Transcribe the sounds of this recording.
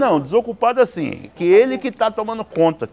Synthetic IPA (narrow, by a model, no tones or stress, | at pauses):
nɐ̃w̃d̪ɪzokupad̪ʊasḭ̃kɪelɪkɪt̪at̪õmɐ̃nd̪ʊkõnt̪ɐ